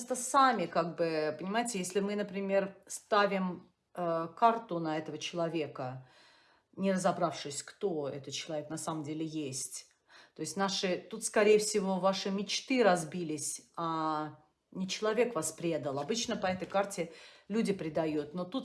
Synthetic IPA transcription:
st̪əsamʲɪkaɡ̚bɨpənʲɪmaɪtʲɪjesʲlʲɪmɨnəpɾʲɪmʲe̞rst̪avʲɪm | əkart̪ʊnɐɛt̪əvət͡ɕɪlˠɐvʲe̞kə | nʲɪrəzɐbɾafʂɨsʲkt̪o̞ɛ̰t̪ət̪̚t͡ɕɪlˠɐvʲeknɐsaməmdʲelʲɪjesʲtʲ | t̪o̞ɪsʲtʲnaʂɨt̪ut̪skɐɾʲejɪfsʲɪvo̞vaʂɨmʲɪt͡ɕt̪ɨɾɐzbʲilʲɪsʲa | nʲɪt͡ɕɪlˠɐvʲe̞kvaspɾʲe̞d̪əlˠɐbɨt͡ɕnəpɐɛt̪əjkartʲɪlʲudʲɪpɾʲɪd̪ɐjut̪not̪ut̪

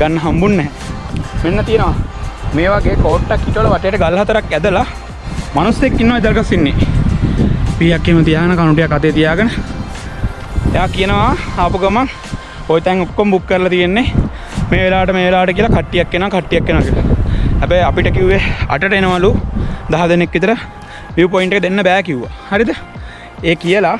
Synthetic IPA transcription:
ɡanːɐɦambunːɛɦɛ | menːɐt̪ijənəʋameːʋaɡeːkoːʈːakːiʈəʋoləʋaʈejːʈəɡalːɐɦɐt̪ɐɾakæd̪əla | manusːekːinːoʋaid̪ɐlɡasinːe | pijakːemət̪ijaːɡənəkanuʈijakːat̪eːt̪ijaːɡənə | ḛjaːkijənəʋaapuɡəma | ojt̪aŋokːoməbukːəɾəlat̪ijenːe | meːʋelaːəʈəmeːʋelaːʋəʈəkijəlakaʈːijakːenəʋakaʈːijakːenəʋakila̰ɦæbɛjapiʈəkiuʋea̰ʈəʈəenəʋalud̪aɦad̪enekːit̪ɐɾə | ʋjuuːp̬ojiɳʈəkəd̪enːəbæːkiuʋa̰haɾid̪ə | eːkijəla

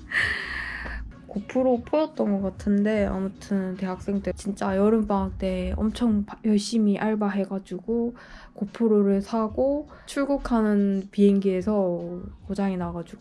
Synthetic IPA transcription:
kopʰɯɾopʰojʌt̚t͈ʌnɡʌk͈atʰɯnde̞a̰mutʰɯnnte̞ɦak̚s͈e̞ŋdɯt͡ɕint͡ɕ͈ajʌɾɯmp͈aŋak̚t͈e̞ʌ̰mt͡ɕʰʌŋpjʌɭɕ͈imiʔaɭbaɦe̞ɡad͡ʑuɡo | kopʰɯɾoɾɯɭsʰaɡo | t͡ɕʰuɭɡokʰanɯnpiɦeŋɡie̞sʰʌkod͡ʑaŋinaɡad͡ʑuɡ

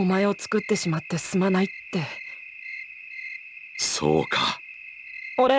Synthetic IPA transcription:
omae̞o̞t͡sɨ̥kɯ̟t̪ːe̞ɕimat̪ːe̞sɨ̥sɨmanait̪ːe̞ | so̰ːkʰa | oɾe

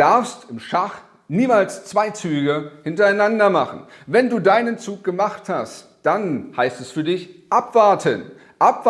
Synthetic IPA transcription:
d̥aɐfstɪmʃaχ | niːmaːlst͡sv̥aɪt͡syːɡəhɪntɐaɪnandɐmaχn̩vɛnduːdaɪnənt͡suːk̚ɡ̥əmaχthast | d̥anhaɪstɛsfyːɐdɪçʔapv̥aɐtʰən | ʔapv

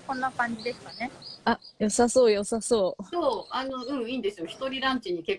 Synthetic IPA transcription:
kõ̞nːakãɲ̟d͡ʑid̪e̞sɨ̥kane̞ajo̞sasoːjo̞sasoːsoːano̞ɯ̟̃ɴiːnd̪esɨjoçi̥t̪o̞ɾʲiɾãɲt͡ɕiɲːike̞kː

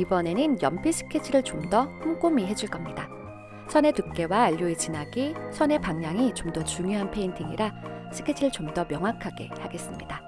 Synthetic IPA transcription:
ibʌne̞nɯnjʌmpʰisʰɯ̥kʰet͡ɕʰiɾɯɭt͡ɕomdʌhuŋk͈omiɦe̞d͡ʑuɭk͈ʌmɲida | sʰʌne̞tuk̚k͈e̞waːʎːoet͡ɕinaɡisʰʌne̞paŋɲaŋit͡ɕomdʌt͡ɕuŋjoɦanpʰe̞intʰiŋiɾasʰɯ̥kʰet͡ɕʰiɾɯɭt͡ɕomdʌmjʌŋɦwakʰaɡe̞haɡe̞s͈ɯmɲida

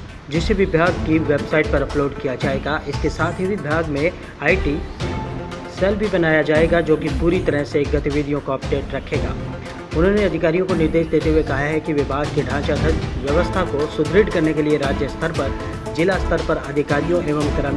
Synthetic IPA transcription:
d͡ʒɪsebʱibʱjaːɡkiʋebsaːɪʈ̚pɐɾɐploːɖkijad͡ʒaːeːɡaʔɪskesaːt̪ʰɦibʱibʱjaːɡmẽ | aːiʈi | sɛlbʱibɐnaːjad͡ʒaːeɡad͡ʒoːkipuːɾit̪ɐɾəseɡɐt̪iʋɪd̪ʱijõkoɐp̚ɖeːʈɾɐkʰeːɡa̰ː | ʊnɦõneɐd̪ʱɪkaːɾijõkonɪɾd̪eːʃd̪eːt̪eɦuekɐɦaɦɛkiʋɪbʱaːɡkeɖʱãːt͡ʃad̪ʱɐʋjɐʋəst̪ʰakosʊd̪ʱɾɪɖkɐɾnekelieɾaːd͡ʒjəst̪ʰəɾpɐɾ | d͡ʒɪlast̪ʰəɾpɐɾɐd̪ʱɪkaːɾijõʔeːʋəmkɐɾən

